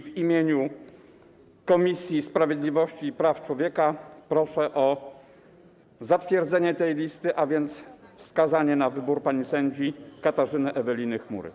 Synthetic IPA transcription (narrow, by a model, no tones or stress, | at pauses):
vimʲjeɲu | kɔmʲisʲjispɾavʲjed̪lʲivɔɕt͡ɕiːpɾaft͡ʂwɔvʲjɛkapɾɔʂɛʔɔ | zat̪fʲjɛɾd̪zɛɲɛt̪ɛjlʲist̪ɘʔavʲjɛnt̪sfskazaɲɛnavɘbuɾpaɲisɛɲd͡ʑikat̪aʐɘnɘʔɛvɛlʲinɘxmṵɾɘ̰